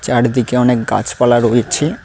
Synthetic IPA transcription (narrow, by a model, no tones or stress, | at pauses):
t͡ɕaɽd̪ikeɔnek̚ɡa̰t͡ʃpalaɾojt͡ɕʰi